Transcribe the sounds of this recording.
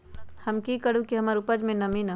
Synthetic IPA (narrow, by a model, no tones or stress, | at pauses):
hɐmkikəɽ̤ũkiɦɐmaːɾʊpəd͡ʒmẽnɐmina